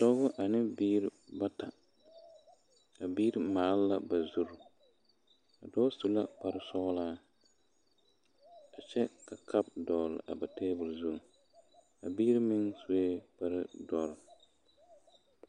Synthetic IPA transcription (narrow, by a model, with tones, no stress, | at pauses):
tɔ˦ɡʊ˦ʔa˨nɪ˦biː˦ɾɪ˦ba˦ta˨ | a˨biː˦ɾɪ˦maː˨˦lla˦ba˨zu˦ɾʊ˨ | a˨dɔ˦su˨la˦pa˨ɾɪ˦sɔ˦ɣlaː˦ | a˨t͡ʃɛ˦ka˨kʰa˦b̚dɔː˨lɪ̰˨ʔa̰˨ba˨teː˦bʊ˨lzu˦˨ | a˨biː˦ɾɪ˦mɪ˦ŋsu˦e˦pa˦ɾɪ˦dɔ˨ɾɪ˨